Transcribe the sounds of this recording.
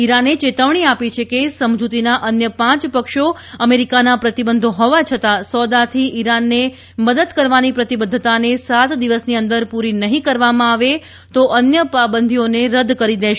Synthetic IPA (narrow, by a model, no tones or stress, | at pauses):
iɾanet͡ʃet̪əʋɳ̃iapit͡ʃʰekesəmd͡ʒut̪inaʔənjəpãt͡ʃpəkʃo | əmeɾikanapɾət̪ibənd̪ʱoɦɔʋat͡ʃʰət̪asɔd̪at̪ʰiʔiɾanːe | məd̪əd̪kəɾʋanipɾət̪ibəd̪ʱːət̪anesat̪d̪iʋəsniənd̪əɾpuɾinəɦĩkəɾʋamãaʋe | t̪oʔənjəpabənd̪ʱioneɾəd̪kəɾid̪eʃ